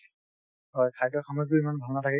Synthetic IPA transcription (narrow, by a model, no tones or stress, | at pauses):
ɦɔjkʰajtɔkʰamɔkuimanbʱaŋatʰakɛ